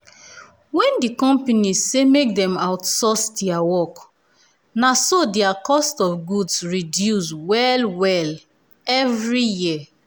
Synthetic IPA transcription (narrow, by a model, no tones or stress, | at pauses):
wɛ̃ndikɔ̃mpanizsemek̚dɛ̃maʊtsɔsdɛawɔk | nasodɛakɔstɔfɡudsɹidjuswɛlwɛl | ɛvɹiji